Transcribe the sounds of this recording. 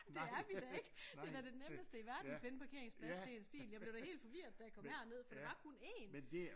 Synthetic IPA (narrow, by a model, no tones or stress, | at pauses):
d̥e̝æɐʋid̥æe̝ɡ̥ə̥e̝d̥æd̥eneməsd̥əiʋæɐdn̩fe̝nəpʰɑ̈kʰe̝ɐeŋsb̥ʰlesʰeensb̥ḭːljɑb̥ble̝ʊd̥æhe̝̰ːld̥fɒ̽ʋiɐ̰ð̥ˠd̥æjɑkʰɒ̽mhæɐɒne̝ð̞̰ˠfɒd̥e̝ʋɑ̈kʰune̝̰ːnmend̥e